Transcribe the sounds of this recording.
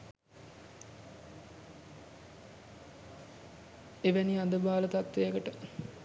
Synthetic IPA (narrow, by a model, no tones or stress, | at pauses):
eʋæniad̪əbaːlət̪at̪ʋejəkəʈə